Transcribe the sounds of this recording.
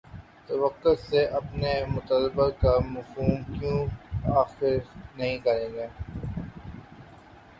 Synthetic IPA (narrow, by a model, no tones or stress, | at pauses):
t̪ɐʋəqːʊt̪seʔɐpnemʊt̪əlːɪbakamɐfuːmkjũːaːxɪɾnɐɦĩkɐɾeːɡeː